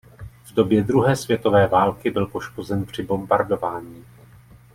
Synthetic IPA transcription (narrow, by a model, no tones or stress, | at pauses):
vdo̞bjɛd̪ɾuɦɛːsvjɛt̪o̞vɛːvaːlkɪbɪlpo̞ʃko̞zɛnpr̝̥ɪbo̞mbaɾdo̞vaːɲiː